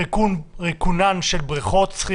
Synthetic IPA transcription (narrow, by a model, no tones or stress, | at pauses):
ʁekunanʃelbʁiχot̪t͡sχi